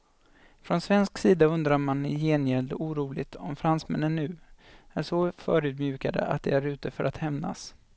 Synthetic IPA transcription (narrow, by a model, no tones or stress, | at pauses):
fɾɔnsvɛnsksiːd̪aɵnd̪ɾaɾmanjeːnjɛld̪əuːɾuːlɪt̪ʰɔmfɾansmɛ̰nːənːʉ̟ː | æʂɔfœːɾʉ̟ːd̪mjʉ̟ːkad̪ə̰ʔa̰t̪̚d̪ɛæɾʉ̟ːt̪əfœɾʔat̪hɛmna̰s